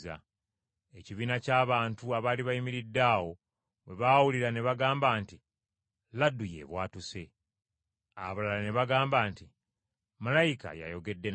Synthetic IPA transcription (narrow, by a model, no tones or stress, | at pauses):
a̰ | e̞ciβiːnacaːβaːntuaβaːliβajimiɾidːaːwo̞ | βe̞βaːwuliɾane̞βaɡaːmbaːnti | ladːuje̞̰ːβwaːtuse̞ | aββalalane̞βaɡaːmbaːnti | malajika̰ja̰jo̞ɡe̞dːe̞